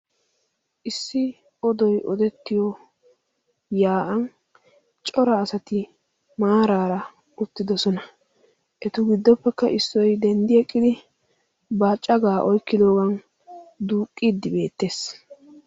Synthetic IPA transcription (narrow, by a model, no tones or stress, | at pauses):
ʔɪsːɪ | ɔd̪ɔjʔɔd̪ɛt̪ːɪjɔ | jaːʔɐn | t͡ʃʼɔɾɐːsɐt̪ɪ | maːɾaːɾɐ | ʊt̪ːɪd̪ɔsɔnɐ | ʔɛt̪ʊɡɪd̪ːɔpːɛkːɐʔɪsːɔjd̪ɛnd̪ɪɛkʼːɪd̪ɪ | baːt͡ʃʼːɐɡaːʔɔjkːɪd̪o̞ːɡɐn | d̪uːkʼːiːd̪ːɪbe̞ːt̪ːe̞ːs